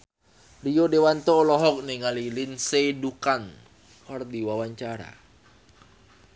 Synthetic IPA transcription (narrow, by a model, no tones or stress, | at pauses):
lijodewant̪ɔlɔɦɔk̚niŋalilinsedukan | ɔrdiwawaɲt͡ʃaɾa̰